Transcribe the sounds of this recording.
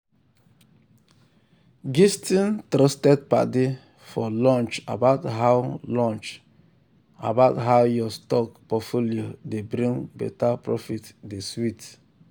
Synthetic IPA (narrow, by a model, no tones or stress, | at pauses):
ɡistĩntɾɔstɛd̚pa̰de | fɔlɔ̃nt͡ʃa̰baʊtɦaʊlɔ̃nt͡ʃ | a̰baʊtɦaʊjɔstɔk̚pɔtfoliodebɾĩŋbɛ̰tapɹɔfitdeswit